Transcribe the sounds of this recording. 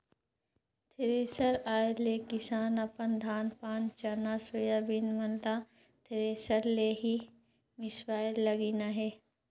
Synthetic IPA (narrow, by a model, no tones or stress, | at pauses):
t̪ʰɪɾeːsəɾaːelekɪsaːnɐpənd̪ʱaːnpaːnt͡ʃɐnasʊjaːbinmɐnt̪ã | t̪ʰɪɾeːsəɾleːɦi | mɪswaːjlɐɡinaɦeː